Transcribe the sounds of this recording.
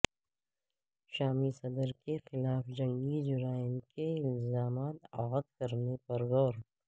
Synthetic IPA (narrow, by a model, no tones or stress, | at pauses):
ʃaːmisɐd̪əɾkexɪlaːfd͡ʒɐ̃ŋɡid͡ʒʊɾaːɪnkeɪlzaːmaːt̪aːɣəd̪kɐɾnepɐɾɣɔːɾ